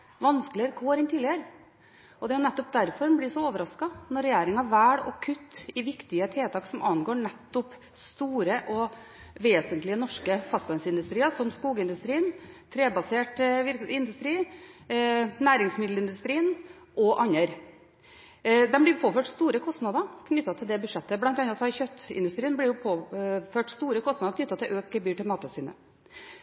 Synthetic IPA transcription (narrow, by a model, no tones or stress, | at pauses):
ʋɑnskəlɪəɾkʰoːɾɛnt̪ʰiːlɪəɾ | ɔd̪ɛɔnɛt̪ːɔp̚d̪æɾfɔɾbliːsɔoːʋəɾɑskɑnɔɾːɛjeːɾɪŋɑʋæːɽɔkʰʉt̪ːɪʋɪkt̪ɪət̪ʰeːt̪ʰɑːksɔmɑnɡoːɳɛt̪ːɔp | st̪uːɾəʔɔ | ʋeːsənt̪lɪənɔʂkəfɑst̪ɑnsɪnd̪ʉst̪ɾiːəsɔmskuːɡəɪnd̪ʉst̪ɾiːnt̪ʰɾeːbɑseːʈʋɪɾɪnd̪ʉst̪ɾiː | næːɾɪŋsmɪd̪l̩ɪnd̪ʉst̪ɾiːən | ʔɔʔɑɲːəɾ | d̪ɛnmblɪɾpʰoːføːʈst̪uːɾəkʰɔst̪nɑd̪ɑɾkʰnʏt̪ːɑt̪ʰɪld̪ɛbʉʂɛt̪ːəblɑnt̪ɑnːɑsɔɑɾçœt̪ːɪ̰nd̪ʉst̪ɾiːnblɪjʊpʰoːføːʈst̪uːɾəkʰɔst̪nɑd̪əɾkʰnʏt̪ːɑt̪ʰɪlʔøːkəbyːʈɪlmɑːt̪əsyːnə̰